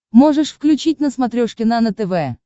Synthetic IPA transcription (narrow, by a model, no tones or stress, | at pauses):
moʐɨʂfklʲʉt͡ɕit̚ʲnəsmat̪ɾʲoʂkʲɪnanət̪ɛvɛ